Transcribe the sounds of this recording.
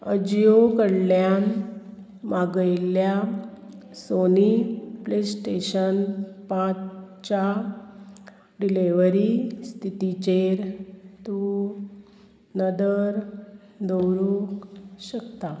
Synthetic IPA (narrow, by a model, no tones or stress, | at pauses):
əd͡ʑjokəɽljan | maɡəjlja | soniplesʈeɕənpãt͡s | t͡ɕa | ɖileʋɾist̪ʰit̪it͡ɕeɾt̪u | nəd̪əɾ | d̪əwɾukɕəkt̪a